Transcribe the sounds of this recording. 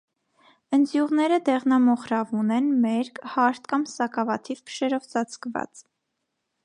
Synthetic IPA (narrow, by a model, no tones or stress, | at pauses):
ənd͡zjuʁnɛɾəd̪ɛʁnɑmɔχɾɑvunɛnmɛɾkhɑɾt̪kɑmsɑkɑvɑt̪ʰivpʰə̥ʃɛɾɔvt͡sɑt͡skvɑ̰t͡s